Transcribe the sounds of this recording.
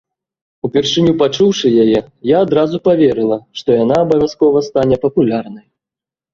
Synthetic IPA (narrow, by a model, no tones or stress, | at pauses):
upʲɛrʂɨnʲupat͡ʂuwʂɨjajɛjaːd̪ɾazupavʲɛɾɨlˠɐʂt̪ɔjanaːbɐvʲaskɔvɐst̪anʲɛpɐpulʲarnɐj